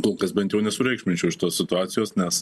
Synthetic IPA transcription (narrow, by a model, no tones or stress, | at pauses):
koːlˠkɐsbʲɛnt̪jɛʊnʲɛsʊɾʲɛɪkʃʲmʲɪnʲt͡ʃʲɛʊʃʲɪ̥t̪oːsʲsʲɪt̪ʊaːt̪sʲɪjoːsnʲɛs